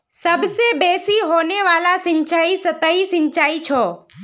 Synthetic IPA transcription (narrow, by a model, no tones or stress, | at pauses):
səbsebesiɦoneʋalasɪ̃ɲt͡ʃaisət̪əisɪ̃ɲt͡ʃaːit͡ʃʰoː